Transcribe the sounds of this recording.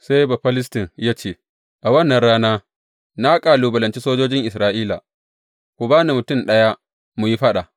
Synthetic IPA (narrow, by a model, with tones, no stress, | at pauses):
sa˦jba˨ɸɐ˦lɪ˦stɪ˨ŋjaː˦t͡ʃeː˦ | ʔa˨wɐ˦nːɐ˨nɽaː˦naː˦ | na˦kʼaː˨luː˨bɐ˨lɐ˨nt͡ʃi˦soː˦d͡ʒoː˦d͡ʒɪ˦ŋʔɪ˨sɾaː˦ʔiː˦la̰˨ | kʷu˨baː˦ni˨mʊ˨tʊ˦˨mɗɐ˦ja˦ | mu˨ji˦ɸɐ˦ɗa˨